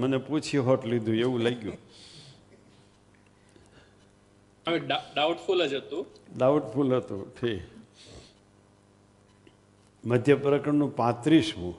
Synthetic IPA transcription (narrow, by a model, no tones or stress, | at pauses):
məneput͡ʃʰiɦɔʈlid̪ʱũeʋũlaɡjũ | əʋeɖaɖauʈfulɦəd͡ʒət̪ũɖauʈfʰulɦət̪ṵ̃ʈʰik | məd̪ʱjəpɾəkəɳnũpãt̪ɾisɦũ